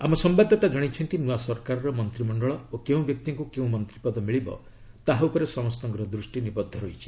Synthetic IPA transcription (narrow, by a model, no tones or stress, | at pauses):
amɔsɔmbad̪ʱːɔt̪ad͡ʒɔɽ̃it͡ʃʰɔnt̪inuwasɔɾkaɾɔɾɔmɔnt̪ɾimɔɳɖɔɭɔokeũbjɔk̚t̪iŋkukeũmɔnt̪ɾipɔd̪ɔmiɭibɔ̰ | t̪aɦaupɔɾesɔmɔst̪ɔŋɡɾɔd̪ɾusʈinibɔd̪ʱːɔɾojt͡ʃʰi̥